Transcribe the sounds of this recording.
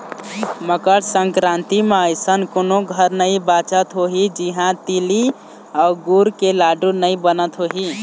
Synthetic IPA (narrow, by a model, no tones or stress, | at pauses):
məkəɽsəŋkɾãnt̪imeəjsənkonoɡʱəɾnəibat͡ʃət̪ɦoɦid͡ʒiɦãt̪ili | aʊɡuɾkelaɖunəjbənət̪ɦoɦi